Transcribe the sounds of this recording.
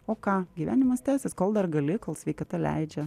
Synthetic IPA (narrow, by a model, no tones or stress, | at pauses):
oːkɑːɡʲiʋʲæ̰ːnʲɪmɐst̪ʲæːsʲɛskoːlˠd̪ɐɾɡɐlʲɪkoːlˠsʲʋʲɛɪkɐt̪ɐlʲæ̰ɪd͡ʒʲɛ